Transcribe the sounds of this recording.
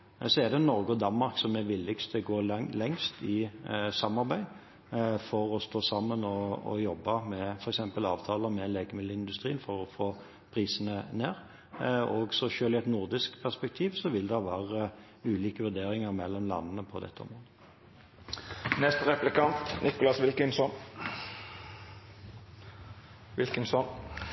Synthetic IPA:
sɔɛd̪ɛnɔʁɡəɔd̪ɑnmɑʁksɔmɛʋɪlːɪɡst̪ʰəɡoːlɛŋst̪ɪsɑmɑʁbæɪ | fɔʁɔst̪oːsɑmːənɔɔ̰jɔbːɑmɛfɔɾɛksɛmpəlɑ̰ːʋt̪ʰɑːləmɛleːɡəmɪd̪ləɪnd̪ʉst̪ʁiːənfɔʁɔfoː | pʰʁiːsənəneːʁ | ɔɡsɔʃøːlɪɛt̪nʊʁd̪ɪsk̪pʰæʁspɛk̚t̪ʰiːʋsɔʋɪld̪ɛʋæːʁə | ʉːliːkəʋʉʁd̪eːʁɪŋəʁmɛlːɔmlɑ̰nːənəpʰɔd̪ɛ̰t̪ːəɔ̰mʁoːd̪ə | nɛst̪əʁɛplɪkɑnt̪nʔɪkʊlɑsʋɪlkənsɔn | ʋɪlkənsɔn

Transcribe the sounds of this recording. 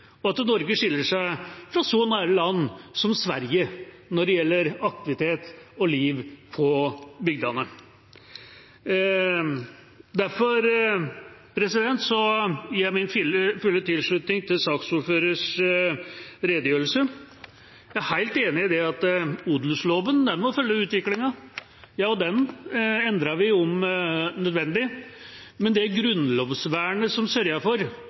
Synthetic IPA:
ɔɑt̪nɔɾɡəʂɪlːəʂæɪfɾɑsɔnæːɾəlɑnːsɔmsʋæɾjə | nɔɖɛjɛlːəɾɑk̚t̪ɪʋɪt̪ʰeːt̪ɔliːʋpʰɔbʏɡ̚d̪ɑnə | d̪æɾfɔɾ | pʰɾɛsɪd̪ɛnt̪sɔjæmɪnflfʉlːət̪ɪlʂɭʉt̪nɪŋt̪ʰɪlsɑːksuːɾføːɾəʂ | ɾeːd̪əjøːɾəlsə | jææɾhæɪlt̪eːnɪɪd̪ɛɑt̪ud̪lsloːʋənd̪ɛnmɔfœlːəʉːt̪ʋɪklɪŋɑ | jɑːɔd̪ɛnɛnd̪ɾɑʋɪɔmnœd̪ʋɛnd̪ɪ | mɛnd̪ɛæɾɡɾʉnloːʋsʋæːɳəsɔmsœɾjɑfɔɾ

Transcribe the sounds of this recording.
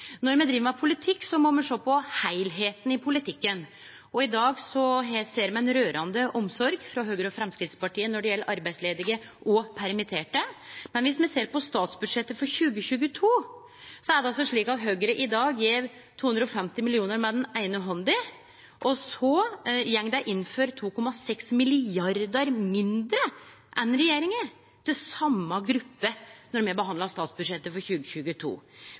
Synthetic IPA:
nɔɾmɛd̪ɾiːʋəmɛpʰʊlɪt̪ʰɪkːsɔmɔmɛʂoːpʰɔhæɪlɦeːt̪ən̩ɪpʰʊlɪt̪ʰɪkːən | ɔɪd̪ɑːɡsɔɦseːɾmɛnɾøːɾʔɑnd̪əʔɔmsɔɾɡfɾɑɦøːɡəɾəɔfɾɛmskɾɪt̪spɑʈiːənɔɖɛjɛlːəɾʔɑɾbæɪsleːd̪ɪɡə | ʔɔpʰæɾmɪt̪ʰeːʈəmɛnʋɪsmɛseːɾpɔst̪ɑːt̪sbʉd̪ʂɛt̪ːəfɔɾçʉːɡəçʉːɡət̪ʰuː | sɔæɖɛɑlsɔʂɭiːkɑt̪ɦøɡəɾəʔɪd̪ɑːɡjeːɾ | t̪ʰuːhɵnd̪ɾəɔfɛmt̪ɪmɪlɪuːnəɾmɛd̪ɛnæɪnəɦɔnd̪ɪ | ʔɔsɔjɛŋd̪æɪʔɪnːføːɾt̪ʰuːkʰɔmːɑsɛksmɪlɪɑɾd̪əɾmɪnd̪ɾə | ʔɛnɾɛjeːɾɪŋə | t̪ʰɪlsɑmːɑɡɾʉpːənɔɾmɛbəɦɑnd̪lɑst̪ɑːt̪sbʉd̪ʂɛt̪ːəfɔɾçʉːɡəçʉːɡət̪ʰṵː

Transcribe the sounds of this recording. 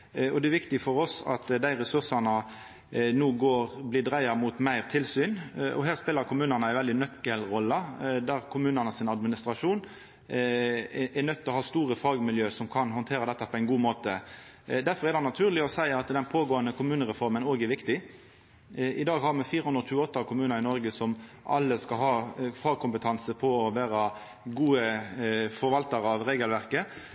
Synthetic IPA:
ɔd̪ɛɛɾʋɪkt̪ɪfɔɾɔsɑ̰t̪d̪æɪʁɛsʉʁsɑnə | nuːɡoːʁblɪd̪ɾæɪɑmʊt̪mæɪʁt̪ʰɪlsyːnʔɔ̰ɦæːʁspeːləɾkʰʊmʉːnənəæɪʋɛld̪ɪnœkːəlʁɔlːəd̪æɾkʰʊmʉːnɑnəsɪnɑd̪mɪnɪst̪ɾɑʂuːn | ʔɛnœt̪ːɔhɑːst̪uːɾəfɑːɡmɪljøːsɔmkʰɑnɦɔnt̪ʰeːɾəd̪ɛt̪ːəpʰɔæɪnɡuːmoːt̪ə | d̪æɾfɔɾʁɛɾdɑnːɑt̪ʰʉːʁlɪɔsæɪɑt̪d̪ɛnpʰoːɡoːənəkʰʊmʉːnəɾɛfɔʁmənoːɡɛɾʋɪkt̪ɪ | ʔɪd̪ɑːɡhɑʁmɛfiːɾəhʉnd̪ɾɔʃʉːəɔt̪ːɑkʊmʉːnɑɾɪnɔɾɡəsɔm | ʔɑ̰lːəskɑlɦɑːfɑːɡ̚kʰʊmpət̪ʰɑnsəpʰɔɔʋæːɾɑ | ɡuːəfɔɾʋɑlt̪ɑɾɑʋɾeːɡəlʋæʁkə

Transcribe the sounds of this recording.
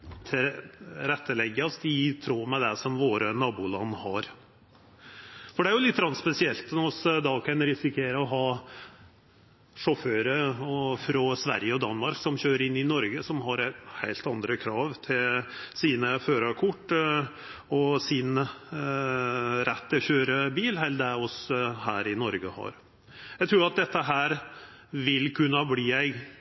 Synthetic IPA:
t̪ʰɪɾɛt̪ʰːəlɛɡːəɑst̪ɪt̪ʰɾoːmɛd̪ɛsɔmʋoːɾənɑːbuːlɑnːhɑɾ | fɔɖɛæɾjʊlɪt̪ːɾɑnspɛsɪɛlt̪nɔɔsd̪ɑːkʰɛnɾɪsɪkʰeːɾəɔɦɑː | ʂɔføːɾəɔfɾɑsʋæ̰ɾjəɔd̪ɑnːmɑɾksɔmçøːɾəɾɪnːɪnɔɾɡəsɔmɦɑɾhæɪlt̪ɑnd̪ɾəkʰɾɑːʋt̪ʰɪlsiːnəføːɾɑkʰʊʈː | ɔsɪn | ɾɛt̪ːɪɔçøːɾəbiːlhɛɪld̪æɔshæːɾɪnɔɾɡəhɑ̰ɾ | jæt̪ʰɾuːɾɑt̪̚d̪ɛt̪ːəɦæːɾ | ʋɪlkʰʉnːəbliːæɪɡ

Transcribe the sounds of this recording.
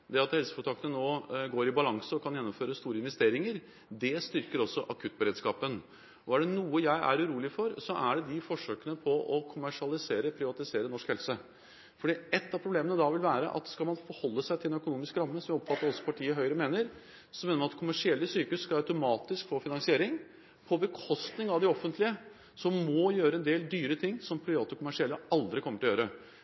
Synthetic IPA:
d̪ɛɾɑt̪hɛlsə̥kʊnʰɑk̪ːənənoːɡoːɾɪbɑlɑŋsəɔkʰɑnjɛnːɔmføːɾəst̪uːɾəɪnʋɛst̪eːɾɪŋəɾ | d̪ɛst̪ʏɾkəɾɔsːɔʔɑkʰʉt̪̚ːbəɾeːd̪skɑːpən | ɔæɖɛnuːəjæɪʔæ̰ɾʉɾuːlɪfɔɾsɔʔæɖɛd̪ɪfɔʂøːkənəpʰɔʔɔkʰʊmæʂɪɑlɪseːɾəpʰɾɪʋɑt̪ɪseːɾənɔʂkhɛlsə | fɔɖiːɛt̪ːɑpʰɾʊbleːmənəd̪ɑʋɪlʋæːɾə̰ʔɑ̰t̪skɑlmɑnfɔɾhɔlːəsæɪt̪ʰɪlɛnœkʊnuːmɪskɾɑmːəsɔmjɪɔpfɑt̪ːəɾɔsːɔ̥pʰɑʈʰiːəɦœʏɾəmeːnəɾ | sɔmeːnəmnɑt̪kʰʊmæʂɪɛlːəsyːkəʉsskɑɑʉt̪ʊmɑːt̪ɪskfoːfɪnɑŋsɪeːɾɪŋ | pʰɔbəkʰɔst̪nɪŋɑʋd̪ɪɔfənt̪lɪə | sɔmːɔjøːɾəɛnd̪eːld̪yːɾət̪ʰɪŋːsɔmpʰɾɪʋɑːt̪ʊkʰʊmæʂɪɛlːəɑld̪ɾɪkʰɔmːəʈɪlɔjøːɾə

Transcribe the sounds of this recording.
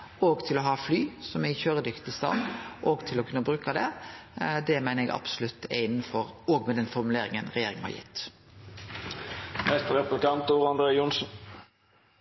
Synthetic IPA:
oːɡt̪ʰɪlɔɦɑːflyːsɔmæçøːɾəd̪ʏkt̪ɪst̪ɑ̰ːnʔoːɡt̪ʰɪlɔkʰʉnːəbɾʉːkɑd̪ɛ | d̪ɛmæɪnəɛɡɑ̰b̥sʊlʉt̪ːɛɪnːn̩fɔɾɔːɡmɛd̪ɛnfɔʁmʉleːɾɪŋənʁɛjeːɾɪŋəhɑ̰ʁjɪ̰t̪ː | mɛst̪əɾɛplɪkɑnt̪uːʁɑnd̪ɾeːjʊnsn̩

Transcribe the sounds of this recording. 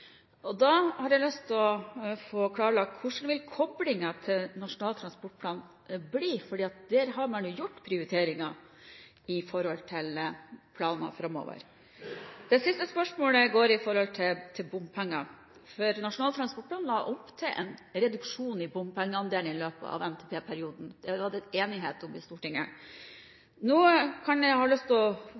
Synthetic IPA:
ɔd̪ɑhɑɾjæɪlʏst̪ʰlɔfoːkʰlɑːɾəlɑkkʰːʊʂn̩ʋɪlkʰɔblɪŋɑt̪ʰɪlnɑʂʊnɑːlt̪ʰɾɑnspɔʈ̚pʰlɑːn | bliːfɔɖiːɑt̪̚d̪̥æːɾɦɑɾmɑnjuːjʊʈːpʰɾɪʊɾɪt̪ʰeːɾɪŋɑ | ɪfɔɾhɔlt̪ʰɪlpʰlɑːnɑ̰fɾɑmo̰ːʋə̰ɾ | d̪̥ɛsɪst̪əspœʂmoːləɡoːɾɪfɔɾhɔlt̪ʰɪt̪ʰɪlbʊmpʰɛŋːɑ | fɔɾnɑʂʊnɑːt̪ɾɑnspɔʈ̚pʰlɑːnlɑːʔɔpt̪ʰɛʔɛ̰nɾɛd̪ʉkʂuːnɪbʊmpʰɛŋːəɑnd̪eːlnəɪløːpə̰ɑ̰ʋɛmt̪ʰepʰeːpʰæɾɪuːd̪n̩d̪̥ɛʋɑd̪ɛeːnɪɦeːt̪ɔmɪst̪uːʈɪŋːə | nuːkʰɑnɛhɑːlœst̪ɔ

